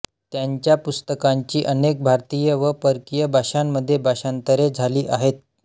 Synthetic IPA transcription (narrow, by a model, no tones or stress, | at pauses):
t̪jaɲt͡ɕjapust̪əkaɲt͡ɕiːʔənek̚bʱaɾt̪ijəʋəpəɾkijəbʱaɕamːəd̪ʱːjebʱaɕant̪əɾed͡zʱaliːʔaɦet̪̚